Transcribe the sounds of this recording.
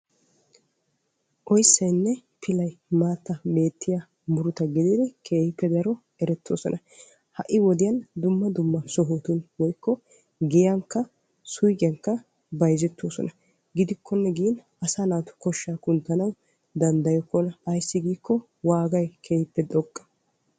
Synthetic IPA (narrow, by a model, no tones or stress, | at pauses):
ʔɔjsːɐjnːɛpʰɪlɐjmaːt̪ːɐbe̞ːt̪ʰːɪja | mʊɾʊt̪ɐɡɪd̪ɪd̪ɛkʰe̞ːhɪpːɛd̪ɐɾɔ | ɛɾɛt̪ʰːo̰ːsɔ̰nʔɐ | hɐʔɪwɔd̪ɪjɐnd̪ʊmːɐd̪ʊmːɐsɔɦoːt̪ʊnwɔjkːɔ | ɡɛjɐŋkːɐ | sʊjkʼɐŋkːɐ | bɐjzɛt̪ːoːsɔ̰nɐ | ɡɪd̪ɪkːɔnːɛɡiːn | ɐsanaːt̪ʊ̥kɔʃːaːkʊnt̪ːɐnɐw | d̪ɐnd̪ɐjɔkːɔnɐjsːɪɡiːkːɔ | waːɡɐjkʰeːhɪpːɛd̪ɔkʼːɐ̥